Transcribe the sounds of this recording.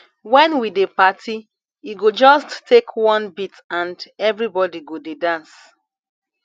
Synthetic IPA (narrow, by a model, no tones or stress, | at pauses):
wɛ̃nwidepatʰi | iɡod͡ʒɔstːekʰwɔ̃nbitãndɛvɹibɔdiɡodedãns